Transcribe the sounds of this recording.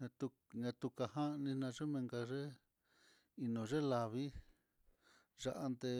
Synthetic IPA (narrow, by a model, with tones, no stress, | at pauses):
ɲã˧t̪u˧ | ɲã˧t̪u˧ka˧ɦa˦˧nĩ˧nã˧ʐe˦mẽ˧ŋɡa˧ʐe˦ | i˧nõ˨ʐe˦la˧βi˦ | ʐa˧ʔa˧nd̪e˧